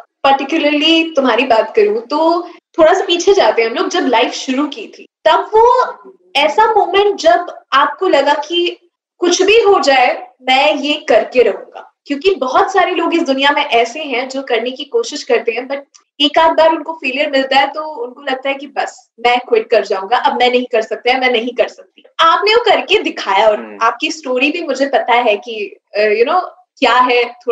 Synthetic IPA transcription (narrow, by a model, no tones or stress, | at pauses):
pɐɾʈɪkjʊləɾlit̪ʊmɦaːɾibaːt̪kɐɾũt̪oːt̪ʰoːɽasapiːt͡ʃʰed͡ʒaːt̪eɦɛ̃ɦɐmloːɡ̚d͡ʒɐblaɪfʃʊɾukiːt̪ʰḭːt̪ɐbʋo | ɛːsamoːmɛ̃ɳʈ̚d͡ʒɐbaːp̚kolɐɡaki | kʊt͡ʃʰbʱiɦod͡ʒaːemɛ̃ːjekɐɾkeɾɐɦṵ̃ːɡa̰ːkjõːkibɔɦt̪saːɾeloːɡɪsd̪ʊnijamẽʔɛːseɦɛ̃d͡ʒoːkɐɾnekikoːʃɪʃkɐɾt̪eɦɛ̃bɐʈ̚ | eːkaːt̪̚ʰbaːɾʊnkofeːlijəɾmɪlt̪aɦɛt̪oʊnkolɐɡ̚t̪aɦɛkibɐs | mɛ̃kwɪʈ̚kɐɾd͡ʒaːũːŋɡaʔɐbmɛ̃nɐɦĩkɐɾsɐk̚t̪aɦɛ̃mɛ̃ːnɐɦĩkɐɾsɐk̚t̪i̥aːpneokɐɾked̪ɪkʰaːjaɔːɾaːp̚kisʈoːɾibʱimʊd͡ʒʱepɐt̪aɦɛki | əjʊnoː | kjaːɦɛt̪ʰoː